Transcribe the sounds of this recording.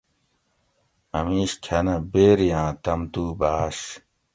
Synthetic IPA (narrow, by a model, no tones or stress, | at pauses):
ɐmiːɕkʰɐnɐbeːɾijãːt̪ɐmt̪uːbaːɕ